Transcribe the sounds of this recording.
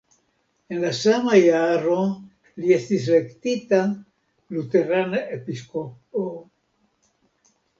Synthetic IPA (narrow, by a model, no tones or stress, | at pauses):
enlasamajaro | liest̪islekt̪it̪a | lut̪eɾanepiskopo